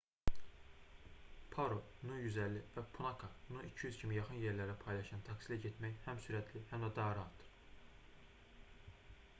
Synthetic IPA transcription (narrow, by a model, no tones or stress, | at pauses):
pʰɑɾo | nujyzælːivæpʰunɑkʰɑnuicʰijyzcʰimijɑχɯnjeɾlæɾæpʰɑjlˠɑʃɑnt̪ʰɑksilæɟet̪mæjhæmsyɾæt̪ʰlihæmd̪ɑd̪ɑːɾɑɑt̪ʰɯ̥ɾ